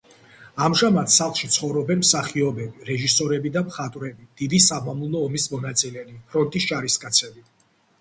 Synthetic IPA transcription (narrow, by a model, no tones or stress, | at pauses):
amʒamat̪saχlˠʃit̪sʰχɔvɾɔbɛnmsaχiɔbɛbiɾɛʒisɔɾɛbid̪amχat̪ʼwɾɛbid̪̥id̪isamamulˠɔːmismɔnat̪sʼilɛlipʰɾɔnt̪ʼisʃʼaɾiskʼat̪sʰɛbi